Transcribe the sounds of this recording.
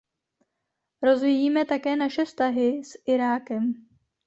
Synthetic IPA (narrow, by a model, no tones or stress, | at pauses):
ɾo̞zvijiːmɛt̪akɛːnaʃɛfst̪aɦɪsʔɪɾaːkɛm